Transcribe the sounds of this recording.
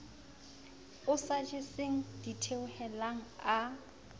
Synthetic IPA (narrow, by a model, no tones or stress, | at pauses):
ʊsad͡ʒeseŋ̩d̥itʰeʊhɛlaŋ̩a